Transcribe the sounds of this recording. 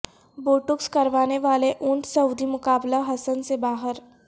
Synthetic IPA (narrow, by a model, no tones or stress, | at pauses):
boːʈʊkskɐɾʋaːneʋaːleʔʊɳʈsɐwd̪ʱimʊkaːblaɦɐsənsebaːɦəɾ